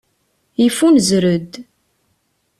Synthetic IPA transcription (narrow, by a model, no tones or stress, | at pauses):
jəfunzɾəd̪